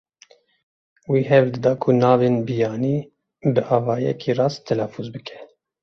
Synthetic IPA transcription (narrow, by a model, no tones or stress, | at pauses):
wiːɦɛvld̪ɨd̪ɑːkʰunɑːveːnbijɑːniː | bɨʔɑːvɑːjɛ̰kʰiːrɑːst̪ʰɛlɛfuzbɨkʰɛ̥